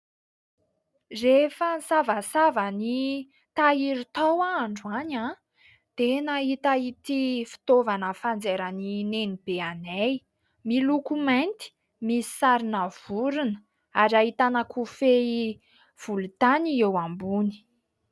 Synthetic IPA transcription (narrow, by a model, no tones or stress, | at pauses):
refansavasavəni | t̪aiɾut̪awaːɳɖ͡ʐuana | d̪̥enaɦit̪ait̪ifi̥t̪ovanəfand͡zeɾəninenib̥eanej | milukumant̪i̥ | misi̥saɾinav̥uɾunə | aɾait̪anakʰufei | v̥ulut̪aniewambuni̥